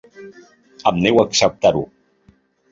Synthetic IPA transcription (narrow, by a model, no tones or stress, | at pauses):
əmnewəksəp̚t̪aɾu